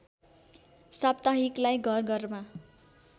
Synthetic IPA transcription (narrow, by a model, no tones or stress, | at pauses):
sab̚t̪aɦiklajɡʱʌrɡʌrma